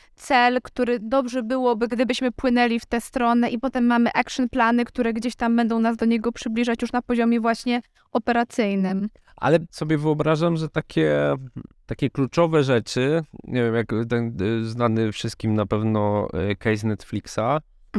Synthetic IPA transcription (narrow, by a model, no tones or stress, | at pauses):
t̪sɛlkt̪uɾɘd̪ɔbʐɛbɘwɔbɘɡd̪ɘbɘɕmɘpwɘnɛlʲift̪ɛst̪ɾɔnɛʔipɔt̪ɛmːamɘʔakʂɨnplanɘkt̪uɾɛɡd͡ʑeɕt̪ambɛnd̪ɔ̃w̃nazd̪ɔɲɛɡɔpʂɘblʲiʐat͡ɕjuʂnapɔʑɔmʲjɛvwaɕɲɛ | ɔpɛɾat̪sɘjnɘm | ʔa̰lɛsɔbʲjɛvɘɔbɾaʐamʐɛt̪akʲɛ | t̪akʲɛklut͡ʂɔvɛʐɛt͡ʂɘɲɛvʲjɛmjakt̪ɛnznanɘfʂɘst̪̚kʲimnapɛvnɔkɛjs̬nɛt̪flʲiksa